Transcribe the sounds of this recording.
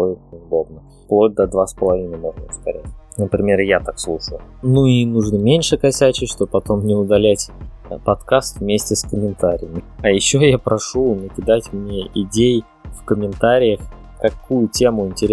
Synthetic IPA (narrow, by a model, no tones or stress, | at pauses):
loɪt̪̚nʲɪʊd̪o̞b̚nə | plˠo̞t̚ʲd̪ɐd̪vaspəlˠɐvʲinəjmo̞ʐnəəst̪ɐ̰ɾʲætʲnəpɾʲɪmʲe̞rjat̪akslˠuʂəlˠnuinuʐnɨmʲenʲʂɨkɐsʲæt͡ɕɪʂt̪obpɐt̪o̞mnʲɪʊd̪ɐlʲætʲ | pɐt̪kast̪vmʲesʲtʲɪskəmʲɪnt̪aɾʲɪ̰jəmʲɪɐjɪɕːo̞japɾɐʂunəkʲɪd̪atʲmnʲeʔɪdʲej | fkəmʲɪnt̪aɾʲɪjəx | kɐkujʊtʲe̞mʊɪnʲtʲɪɾʲ